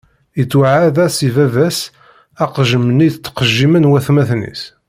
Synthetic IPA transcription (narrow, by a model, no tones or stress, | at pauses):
ət͡sːwaʕaðæsivævæs | æqʒəməniθt͡s̪ːqəʒːimənwæθmæθnḭs